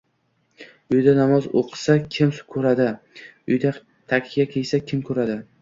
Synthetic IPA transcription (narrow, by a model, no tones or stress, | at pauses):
ʊjd̪anamɒzoqʰɨ̥sakʲʰɪmskʰɵɾad̪ɪ | ʊ̰jd̪a | t̪ʰakʲʰɪɡʲakʲʰejsakʲʰɪmkʰɵɾad̪ɪ